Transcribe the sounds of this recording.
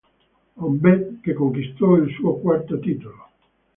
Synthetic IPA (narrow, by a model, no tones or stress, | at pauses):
ɔbɛkːekːoŋkist̪ɔilsuːokwart̪at̪iːt̪olo